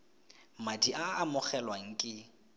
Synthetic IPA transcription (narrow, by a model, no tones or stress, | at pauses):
madiʔaːmʊχɛlwaŋ̩kʼɪ